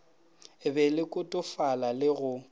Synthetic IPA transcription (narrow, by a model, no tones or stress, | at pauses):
bɛlɪkʼʊtʼʊfalalɪɣʊ